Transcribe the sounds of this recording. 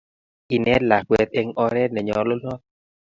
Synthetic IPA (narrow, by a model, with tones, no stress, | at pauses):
i˨nɛ˦tla˨k̚we˨t̪̚e˧ŋɔ˧ɾɛ˦nɛ˨ɲɔ˨lo˦lnɔ˦t̪̚